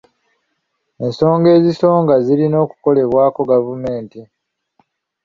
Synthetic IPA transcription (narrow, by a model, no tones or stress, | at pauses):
e̞nso̞ːŋɡe̞ːziso̞ːŋɡaziɾino̞ːku̥ko̞le̞βwaːko̞ɡavume̞ːnti